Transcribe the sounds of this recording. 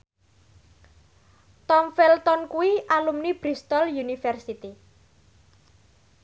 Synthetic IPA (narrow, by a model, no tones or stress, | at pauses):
t̪ɔmfɛlt̪ɔnkuwiʔalumnib̥ɾist̪ɔljunifɛrsit̪i